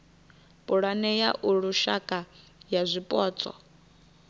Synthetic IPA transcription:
pʼuɺanɛjaʔuɺuʃakʼa | jazʷipʼɔːt͡sʼɔ̰

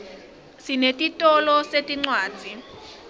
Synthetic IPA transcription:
sinetʼitʼɔlɔsetʼiŋ͡ǀwaːd͡zʱi

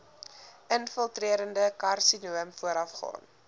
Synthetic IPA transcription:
ənfəlˠtriəɾəndəkɐrsinuəmfuəɾɐfχɑ̰ːn

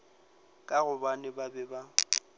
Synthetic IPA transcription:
kʼaɣʊbanɪbabɛba

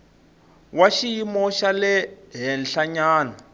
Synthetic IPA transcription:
waʃijimɔʃalɛɦɛnɬaɲaːna

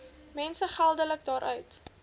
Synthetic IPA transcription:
mɛnsəχælˠdələk̚dɑːɾʔœɥt

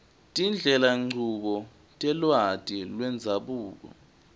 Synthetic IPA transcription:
tʼind͡ɮʱɛlaŋ͡ǀʱuk̬ɔ | tʼɛlwad̥ʱilwɛnd͡zʱaɓuːk̬ɔ̰

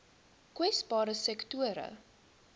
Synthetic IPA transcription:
kwɛsbɑːɾəsɛktuəɾə̰

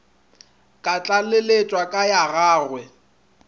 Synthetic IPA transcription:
kʼat͡ɬʼalɪlet͡ʃʼwakʼajaɣaːɣwɛ

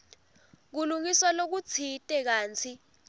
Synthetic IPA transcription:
k̬uluŋiswalok̬ut͡sʰitʼɛk̬aːnt͡sʰi

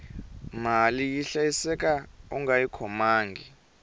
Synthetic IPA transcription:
malijiɬajisɛk̬ʼaṵŋajikʰɔmaːŋɡi

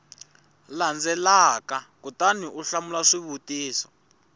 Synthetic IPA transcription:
land͡zɛlakakutaniʔuɬamulaʂiβutiːsɔ̥

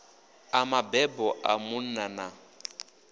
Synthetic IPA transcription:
amabɛbɔʔamʊn̩nana

